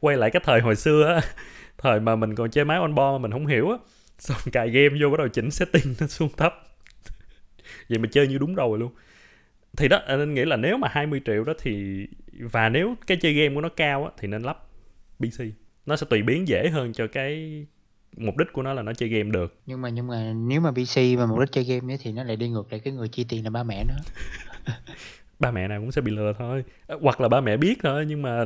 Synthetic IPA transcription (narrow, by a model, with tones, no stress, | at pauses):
kwa˧jla̰ː˧˨kaː˨˦jt̪ʰəː˨˩jɦo̰˨jsɨ˧əʔaː˨˦t̪ʰəː˨˩jmaː˨˩mï˨˩ŋ̟kɔ˨˩nt͡ɕəː˧jmaː˨˦jʔa˧nɓɔ˧maː˨˩mï˨˩ŋ̟ɦə̰˧˦wŋ͡mɦḭ˧˩əwʔaː˨˦ | sa˧ŋ͡mkaː˧˨˩jɣɛ˧mzo˧ɓaː˨˦ɗə˨˩wt͡ɕï˨˦ŋ̟sɛ̰˧˥t̪i˧˩nn˨˦su˧əŋt̪ʰə˦˥p̚ | və̰˨˩jmaː˨˩t͡ɕəː˧jɲɨ˧ɗʊ˨˦ŋ͡mzo˨˩jlu˧ən | t̪ʰi˨˩ɗɔ˨˦t̪ːne˧nŋḭ˧˥laː˨˩ne˨˦wmaː˨˩haː˧jmɨ˧əjt͡ɕḭ˧˨əwɗɔ˨˦t̪ʰi˨˩vaː˨˩ne˨˦wkaː˨˦jt͡ɕəː˧jɣɛ˧mku˧˩ənɔ˨˦kaː˧wʔaː˨˦t̪ʰi˨˩ne˧nla˦˥p̚ɓi˧si˧nɔ˨˦sɛ̰˧˥t̪wi˨˩ɓi˨˦ənzḛ˧˥˨ɦəː˧nt͡ɕɔ˧kaː˨˦j | mʊ˨˩k͡p̚ɗï̟˦˥kənɔ˨˦laː˨˩nɔ˨˦t͡ɕə˧jɣɛ˧mɗɨ˨˩ək̚ɲɨ˧ŋmaː˨˩ɲɨ˧ŋmaː˨˩ne˨˦wmaː˨˩ɓi˧si˧maː˨˩m˨˩k͡p̚ɗi˦˥t̚t͡ɕə˧jɣɛ˧mjə˨˦jt̪ʰi˨˩nɔ˨˦la̰ː˧˨jɗi˧ŋɨ˨˩ək̚la̰˧˨jkaː˨˦jŋɨ˨˩əjt͡ɕi˧t̪i˨˩nlaː˨˩ɓaː˧mɛ̰˧˨nɨ˨˦ | ɓaː˧mɛ̰˧˨naː˨˩wkʊ̰˧˥ŋ͡msɛ̰˧˥ɓḭ˧˨lɨ˨˩ət̪ʰo˧jɣwa˨˩k̚laː˨˩ɓaː˧mɛ̰˧˨ɓi˦˥ət̚t̪ʰo˧jɲɨ˧ŋmaː˨˩